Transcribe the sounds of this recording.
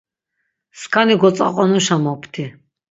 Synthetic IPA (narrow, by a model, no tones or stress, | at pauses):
skʰaniɡɔt͡s̪ʼa̰qʼɔnuʃamɔpʰt̪ʰi